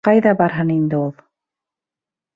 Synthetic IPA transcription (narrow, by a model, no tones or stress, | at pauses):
qɑjðɑbɑɾɦɤnind̪ɘulˠ